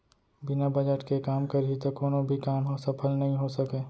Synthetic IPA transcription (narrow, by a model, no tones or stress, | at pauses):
bɪnabɐd͡ʒəʈkekaːmkɐɾit̪okoːnõbʱikaːmɦosɐpʰəlnɐɦĩɦosɐkeː